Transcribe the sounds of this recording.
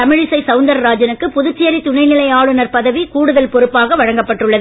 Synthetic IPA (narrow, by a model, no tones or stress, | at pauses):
ɐmɪɻɪsɐɪsɐʊnd̪ɐɾɾaːd͡ʒɐnɯkːɯpʊðɯt͡ʃːejɐɾit̪ʊɳɐɪnɪlɐɪjaːɻɯnɐɾpɐðɐʋikuːɽɯðɐlpɔɾɯpːaːɣɐʋɐɻɐŋɡɐpːɐʈːɯɭːɐðɯ